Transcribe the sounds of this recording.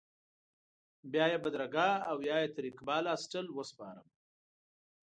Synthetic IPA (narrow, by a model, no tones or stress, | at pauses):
bjɑjebad̪ɾaɡɑawjɑjet̪aɾikbɑːlɑsʈəlwəspɑ̰ːɾəm